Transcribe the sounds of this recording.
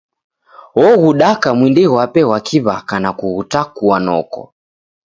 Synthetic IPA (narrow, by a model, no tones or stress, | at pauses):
wɔɣuɗakamwindiɣwapɛwakʰiβakanakuɣutakuwanɔ̰kɔ̰